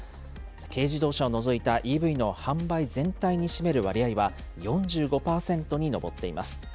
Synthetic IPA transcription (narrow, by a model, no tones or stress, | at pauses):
ke̞ːʑid̪o̞ːɕao̞no̞zo̞it̪aʔiːbɯ̟ino̞hãmbaizẽ̞nt̪aiɲ̟iɕime̞ɾɯ̟βaɾʲiaiβa | jõ̞ɲ̟d͡ʑɨːɡo̞paːsẽ̞nt̪o̞ɲ̟ino̞bo̞t̪ːe̞ima̰sɨ̥